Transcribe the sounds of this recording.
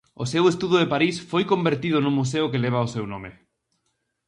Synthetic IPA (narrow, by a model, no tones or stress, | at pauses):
osewest̪uðʊðepaɾisfojkombeɾt̪iðʊnũmːus̬eʊkeleβ̞aosewnõme